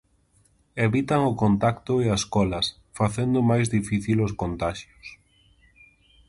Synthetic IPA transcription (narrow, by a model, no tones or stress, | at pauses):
eβit̪aŋʊkont̪akt̪ʊeaskɔlɐs | faθend̪ʊmajzðifiθiloskont̪aʃjʊs